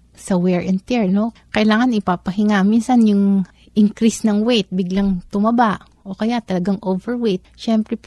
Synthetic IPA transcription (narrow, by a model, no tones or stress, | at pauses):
sɐwɛɹʔɛnt̪ɛɹno̞kɐʔɪlaːŋɐnɪpapɐɦɪŋaminsɐnjʊŋ | ʔɪŋkɾisnɐŋwejt̪̚bɪɡlaŋt̪ʊmɐbaʔ | ʔo̞kɐjaʔt̪ɐlɐɡaŋʔovɛɹwejt̪̚ʃɛmpɾɛ